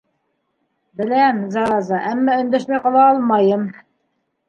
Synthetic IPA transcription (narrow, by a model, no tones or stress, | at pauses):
bɘ̆læmzɑɑzɑʔæmːæɵ̆nd̪æʃmæqɑ̆lˠɑɑlˠmɑjɤm